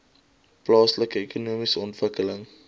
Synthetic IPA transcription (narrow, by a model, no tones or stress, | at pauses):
plɑːsləkəekunuəmisəɔntvəkələŋ